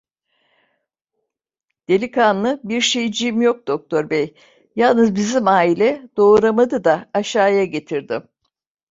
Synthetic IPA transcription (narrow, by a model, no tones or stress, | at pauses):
d̪̥e̞lʲikʰanlˠɯbiɾʃejd͡ʒimjo̞k̚d̪̥o̞k̚t̪ʰo̞ɾbej | jalˠnɯzbizimaːilʲɛd̪̥o̞ːɾamad̪ɯd̪aːʃaːjaɟe̞t̪ʰiɾd̪im